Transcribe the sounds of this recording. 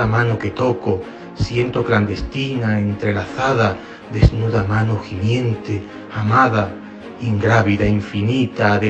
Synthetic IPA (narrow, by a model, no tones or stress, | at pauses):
amãnoke̞t̪o̞ko | sje̞nt̪okland̪e̞st̪inaent̪ɾe̞laθaða | ðe̞znuðamãnoximjẽ̞nt̪e | amaða | iŋɡɾaβiðaiɱfinit̪aːðe